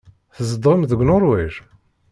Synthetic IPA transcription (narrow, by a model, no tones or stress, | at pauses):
θəzəd̪ʁəmðəɡʷnʊɾˤwiʃ